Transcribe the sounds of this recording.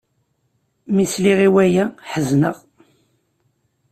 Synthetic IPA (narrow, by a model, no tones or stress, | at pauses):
misliʁiwæjæħəznəʁ